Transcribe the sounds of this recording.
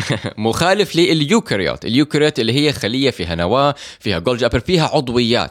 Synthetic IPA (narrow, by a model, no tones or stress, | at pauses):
mʊxaːlɪfliʔɪljuːkɪɾijo̰ːt̪ɪ̰ljuːkɾjoːt̪ɪlːiɦɪjːaxalɪjːafiːɦanawaːfiːhaɡold͡ʒʔapɾfiːɦaʕʊd̪ˤwɪjːa̰ːt̪